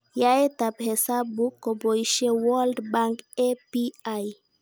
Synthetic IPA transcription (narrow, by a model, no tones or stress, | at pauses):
jaet̪aphesabukoboiʃewɔldbaŋkepiaj